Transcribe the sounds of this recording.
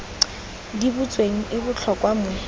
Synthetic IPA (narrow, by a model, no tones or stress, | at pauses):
dibut͡sʼweŋ̩ʔɪbʊt͡ɬʰɔkʼwamʊ